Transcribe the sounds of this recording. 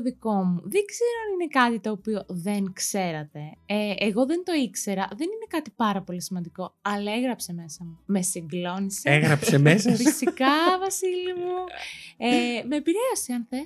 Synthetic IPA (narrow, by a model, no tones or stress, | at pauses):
oðiko̞muðeɡz̥eɾoɐnine̞kɐt̪it̪o̞ːpio̞ðe̞nkse̞ɾɐt̪e̞eeɣo̞ðent̪o̞ikse̞ɾɐðe̞nine̞kɐt̪ipɐɾɐpo̞lisimɐnd̪iko̞ɐlɐeɣɾɐpseme̞sɐmume̞siŋɡlo̞niseeɣɾɐpsemesɐfisikɐvɐsilimueme̞ːpiɾe̞ɐsiɐnθe